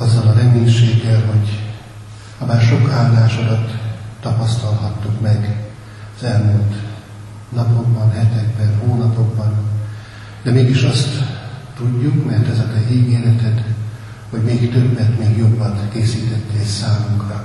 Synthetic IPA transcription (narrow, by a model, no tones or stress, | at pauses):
ɒzːɒlɒɾɛmeːɲʃeːɡːɛlɦo̞ɟ | ɒbaːrʃo̞kaːlːaːʃod̪ɒt̪ːɒpɒst̪ɒlhɒt̪ːukmɛɡ | ɒzɛlmult̪ | nɒpo̞ɡbɒnɦɛt̪ɛɡ̚bɛnɦoːnɒpo̞ɡbɒn | d̪ɛmeːɡiʃɒst̪ː | uɟːukmɛrt̪ɛzɛt̪ɛiːɡeːɾɛt̪ɛt̪ | ho̞ɟmeːkt̪øbːɛt̪meːɡjo̞bːɒnkeːsiːt̪ɛt̪ːeɛsaːmuŋkrɒ